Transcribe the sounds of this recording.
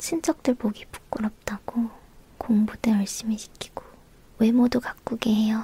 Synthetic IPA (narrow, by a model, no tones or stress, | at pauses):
t͡ɕʰind͡ʑ͈ʌk̚t͈ɯɭpoɡipu̥k͈ːɯɾʌp̚t͈aɡ̥o | koŋbudeʌɭɕ͈imiɕʰi̥k͈ʰi̥ɡ̥o | we̞modukak͈uɡeɦejʌ